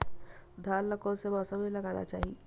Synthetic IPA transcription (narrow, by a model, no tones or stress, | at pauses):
d̪ʱaːlləkõsebɔːsəbilɐɡaːna̰t͡ʃaːɦie